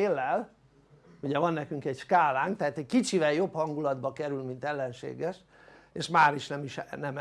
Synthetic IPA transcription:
eːlːɛl | uɟɛvɒnːɛkyŋkɛɟʃkaːlaːŋk̚t̪ɛɦaːt̪ɛckit͡ʃivɛljo̞phɒŋɡulɒd̪bɒkɛɾylmint̪ɛlːɛnʃḛːɡɛʃ | eʃmaːɾiʃnɛmiʃnɛm

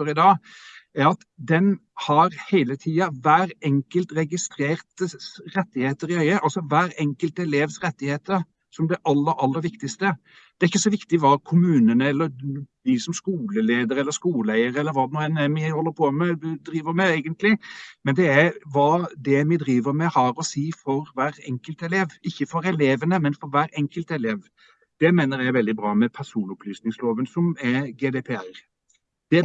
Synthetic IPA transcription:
əɾɪd̪ɑːɡæɾɑt̪ | d̪ɛnhɑɾhæɪlət̪ʰiːɑʋæːɾɛŋkəlt̪ɾɛɡɪst̪ɾeːɾt̪əsɾɛt̪ːɪheːt̪əɾɪœʏəʔɑlsɔʋæːɾɛŋkəlt̪ɛleːʋsɾɛt̪ːɪheːt̪əɾ | sɔmd̪ɛʔɑlːəɾɑlːəɾʋɪkt̪ɪst̪ə | d̪ɛæɾɪçːəsɔʋɪkt̪ɪʋɑkʰʊmʉːnənəɛlːəɾʋɪsɔmskuːləleːd̪əɾɛlːəɾʂkuːlæɪəɾɛlːəɾʋɑːd̪ɛnuːɛnæmɪhɔlːəɾpʰɔmɛd̪ɾiːʋəɾmɛæɪɡənt̪lɪmɛnd̪ɛæʋɑːd̪ɛmɪd̪ɾiːʋəɾmɛhɑɾɔsiːfɔɾʋæːɾɛŋkəlt̪ɛleːʋɪçːəfɔɾɛleːʋənəmɛnfɔɾʋæːɾɛŋkəlt̪ɛleːʋ | d̪̥ɛmeːnəɾjæʋɛld̪ɪbɾɑːmɛpʰæsuːnʊplyːsnɪŋsloːʋənsɔmɛɡeːd̪ɛpʰɛæɾ | d̪̥ɛ

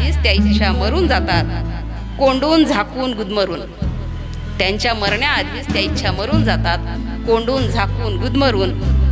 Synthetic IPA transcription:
iːst̪jaitːɕʰaməɾuːnd͡zat̪at̪̚ | koɳɖuːnd͡zʱakuːnɡud̪məɾuːn | t̪jaɲt͡ɕjaməɾɳjaːd̪ʱiːst̪jait̪ːɕʰaməɾuːnd͡zat̪at̪ | koɳɖuːnd͡zʱakuːnɡud̪məɾuːn

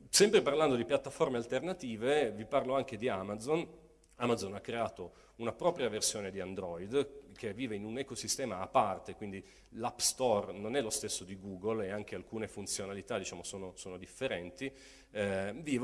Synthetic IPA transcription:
sɛmpɾeparland̪od̪ipjat̪ːaformealt̪ernat̪iːveviparloaŋk̟ed̪iamad̪zon | amad̪zonakːɾeaːt̪o | unapɾɔːpɾjaversjoːned̪iand̪ɾɔid̪kʰevːiːveinunɛkosist̪ɛːmaːpːart̪ekwind̪i | lapst̪ɔrnonɛlost̪esːod̪iɡuːɡoleaŋk̟ealkuːnefunt̪sjonalit̪ad̪it͡ʃaːmosoːnosoːnod̪ifːeɾɛnt̪i | viːv

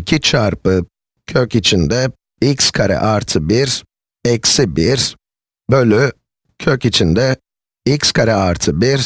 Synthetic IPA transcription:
cʰit͡ʃʰaɾpɯ | cʰøcit͡ʃʰind̪ɛ | icskʰaɾɛ̰ʔaɾt̪ʰɯbiɾ | ɛcsibiɾ | bølʲy | cʰøcit͡ʃʰind̪ɛ | icskʰaɾɛaɾt̪ʰɯbiɾ

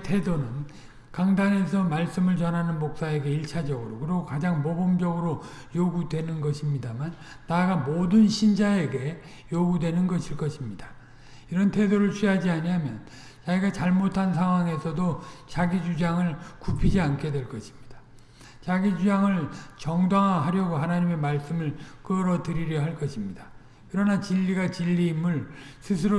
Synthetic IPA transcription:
tʰe̞donɯn | kaŋdane̞sʰʌmaɭs͈ɯmɯɭt͡ɕʌnɦanɯnmok̚s͈ae̞ɡe̞iɭt͡ɕʰad͡ʑʌɡɯɾokɯɾiɡokad͡ʑaŋmobomd͡ʑʌɡɯɾo | joɡudwe̞nɯnɡʌɕʰimɲidamanː | aɡamodɯnɕʰind͡ʑae̞ɡe̞ | joɡudwe̞nɯnɡʌɕʰiɭk͈ʌɕʰimɲid̥ḁ | iɾʌntʰe̞doɾɯɭt͡ɕʰɥiɦad͡ʑiaɲiɦamjʌn | t͡ɕaɡiɡat͡ɕaɭmotʰans̬ʰaŋɦwaŋe̞sʰʌdot͡ɕaɡid͡ʑud͡ʑaŋɯɭkupʰid͡ʑiankʰe̞dwe̞ɭkʌɕʰi̥mɲid̥ḁ | t͡ɕaɡid͡ʑud͡ʑaŋɯɭt͡ɕʌŋdwaŋaɦaɾjʌɡoɦanaɲime̞maɭs͈ɯmɯɭk͈ɯɾʌdɯɾiɾjʌɦaɭk͈ʌɕʰimɲid̥a | kɯɾʌnat͡ɕiʎːiɡat͡ɕiʎːiːmɯɭ | sʰɯs̬ʰɯɾo

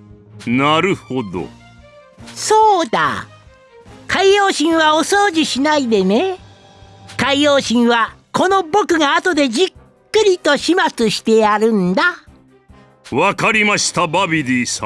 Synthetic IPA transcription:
naɾɯ̟ho̞d̪o̰ | so̞ːd̪a̰ | kʰaijo̞ːɕĩɰ̃βao̞so̞ːd͡ʑiɕinaid̪e̞ne̞ | kaijo̞ːɕĩɰ̃βako̞no̞bo̞kɯ̟ɡaːt̪o̞d̪e̞d͡ʑikː | ɯ̟ɾʲit̪o̞ɕimat͡sɨɕi̥t̪e̞jaɾɯ̟̃nd̪a | βakaɾʲimaɕi̥t̪ababʲiɾʲiːsã

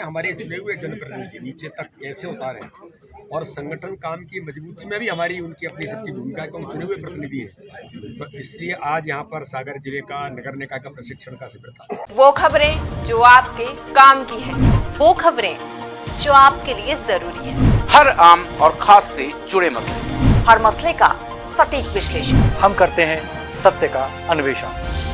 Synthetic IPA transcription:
ẽɦɐmaːɾet͡ʃʊɽeɦʊed͡ʒɐnpɾɐd̪okeniːt͡ʃet̪ɐkːɛːseʊt̪aːɾɦɛ̰̃ː | ɔːɾsɐ̃ŋɡəʈʰənkaːmkimɐzbuːt̪imẽbʱiɦɐmaːɾiʊnkiɐpnisɐb̚kibʱuːmɪkaːkõkt͡ʃʊɽeɦʊepɾɐt̪ɪnɪd̪ʱiɦɛ̰̃ːt̪ɔɾɪslieʔaːd͡ʒjɐɦãpɐɾsaːɡəɾd͡ʒɪlekanɐɡəɾnekakapɾɐsɪkʃəɽ̃kasɪbɪɾt̪aːʋoːkʰɐbɾẽd͡ʒoːaːp̚kekaːmkiɦɛ̃ːʋoːkʰɐbɾẽd͡ʒoːaːp̚keliezɐɾuːɾiɦɛ̃ːhɐɾaːmɔːɾxʰaːsːed͡ʒʊɽemɐslehɐɾmɐsleka̰ | sɐʈiːkʋɪʃleːʃənhɐmkɐɾt̪eɦɛ̃ | sɐt̪jəka | ɐnʊʋeːʃə̰n

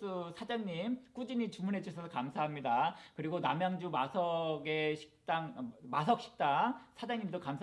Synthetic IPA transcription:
ɯsʰad͡ʑaŋɲimk͈ud͡ʑiɲit͡ɕumunɦe̞d͡ʑusʰʌsʰʌkamsʰaɦamɲidakɯɾiɡona̰mjaŋd͡ʑumasʰʌɡe̞ɕʰi̥k̚t͈aŋmas̬ʰʌk̚ɕ͈ʰi̥k̚t͈asʰad͡ʑaŋɲimdokamʰ

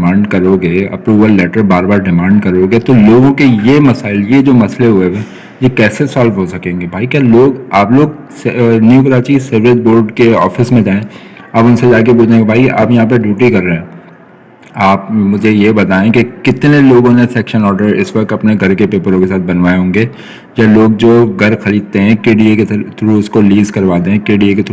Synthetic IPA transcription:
mãːɳɖkɐɾoːɡeːɐ̰pɾuːbəlːɛːʈəɾbaːɾbaːɾɖɪmãːɳɖkɐɾoːɡet̪oloːɡõkejemɐsaːɪljed͡ʒoːmɐsleɦʊebɛ | jekɛːsesɔːlfɦosɐkẽːŋɡebʱaːikjaːloːɡaːploːɡ | snjukɾaːt͡ʃisɐɾʋet̪̚boːɾɖkeɔ̰ːfɪsmẽd͡ʒaːẽɐːbʊnsed͡ʒaːk̬ebuːd͡ʒaẽːŋɡebʱaːiʔa̰ːpjɐɦãp̬ɐɾɖjuːʈikɐɾːɐɛː | aːpmʊd͡ʒʱejebɐt̪aːẽkikɪt̪neloːɡõnesɛːkʃənɔːɾɖəɾɪ̰sʋɐk̚t̪ɐpneɡʱɐɾkepeːpəɾõkesaːt̪̚bɐnʋaːeɦõːŋɡeː | jɐloːɡ̚d͡ʒoːɡʱɐɾxɐliːd̪̚t̪eɦɛ̃keːɖiekett̪ʰɾũʊskoliːzkɐɾʋaːt̪ẽɦɛ̃keːɖieket̪

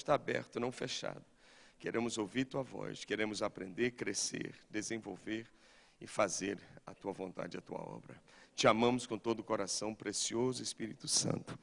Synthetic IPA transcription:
st̪aabɛ̰ɾt̪ʊnɐ̃w̃feʃa̰d̪ʊ | keɾʔẽmʊzowviɾat̪uɐvɔ̰ʃkeɾẽmʊzapɾẽnd̪eɾkɾesḛɾd̪ezẽvowveɾ | ɪfazeɾɐt̪uɐvõnt̪a̰d͡ʒɪɐt̪uɐ̰ɔ̰bɾɐ̰t͡ʃɪamɐ̃mʊskõt̪od̪ʊkoɾasɐ̃w̃pɾesiozʊespiɾit̪ʊsɐ̰̃nt̪ʊ̥

